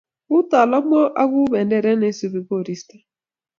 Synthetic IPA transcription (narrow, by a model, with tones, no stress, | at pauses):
ɣu˦ta˨la˦mɔ˦ʔa˦ɣu˦βɛ˨ndɛ˨ɾɛ˦ne˨˦su˨βi˨βo˦˨ɾi˦sta˨